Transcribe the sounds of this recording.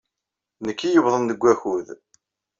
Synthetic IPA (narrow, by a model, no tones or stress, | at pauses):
nəkːijəvðˤənðəɡʷːæçuð